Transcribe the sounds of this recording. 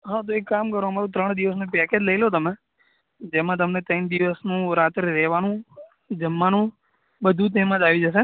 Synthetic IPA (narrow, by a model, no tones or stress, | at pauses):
ɦat̪oekːamkəɾoəmaɾũt̪ɾəɳ̃d̪iʋəs̬nũpɛked͡ʒləilot̪əmẽ | d͡ʒemãt̪̬əmnet̪ənd̪iʋəsnũɾat̪ɾɾɛɦʋanũ | d͡ʒəmːanũ | ɓəd̪ʱũt̪̬ɛmət̪aʋid͡ʒəse